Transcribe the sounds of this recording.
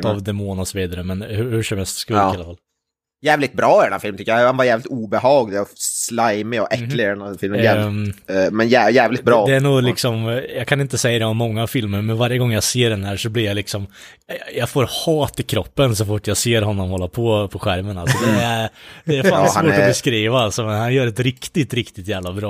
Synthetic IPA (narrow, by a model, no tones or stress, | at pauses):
avd̪ɛmoːnɔsɔviːd̪aɾəmɛnhʉhʉʂɔmhɛlst̪skɵlɪalːafal | jæːvlɪt̪bɾɑːɾɛnanfɪlmt̪ʏkːjahanvaɾjæːvlɪt̪uːbɛhɑːɡlslajmɪɔ̰ʔɛkːlɪɛnafɪlmnjɛ | mɛnjæːjæːvlɪt̪̚bɾɑːd̪ɛæɳuːlɪksɔmjɑkʰanɪnt̪əsɛjːad̪ɛɔmmːɔŋːafɪlməɾmɛnvaɾjəɡɔŋːjaseːɖɛndæːʂɔblɪɾjalɪksɔm | jɑfoːɾhɑːt̪ɪkʰɾɔpːənsɔfʊʈːjaseːɾɦɔnːɔmhɔlːapʰɔpʰɔɧæɾmənalssɔd̪ɛæd̪ɛæɾfaːnhavoːɔbɛskɾiːvaalsɔmɛnhanjœːɾɛt̪ɾɪkt̪ɪt̪ɾɪkt̪ɪt̪jæːvlabɾɑː